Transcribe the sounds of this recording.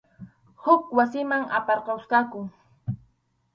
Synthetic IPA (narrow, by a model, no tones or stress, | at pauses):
hʊkwasɪmaŋa̰pɑɾqɑwskɑkʊŋ